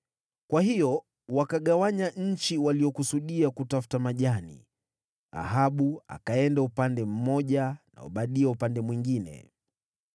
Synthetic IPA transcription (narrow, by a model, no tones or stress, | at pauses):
kwahijɔ | wakaɠawaɲaɲ̩t͡ʃiwaliɔkusuɗiakutafu̥tamaʄanḭ | a̰ɦaɓua̰kaɛndaupandɛm̩mɔʄana̰ṵɓaɗiaupandɛmwiŋɡinɛ̰